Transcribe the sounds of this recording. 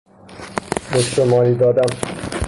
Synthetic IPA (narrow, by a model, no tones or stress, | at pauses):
beʃomɒːɾiːd̪ɒːd̪æm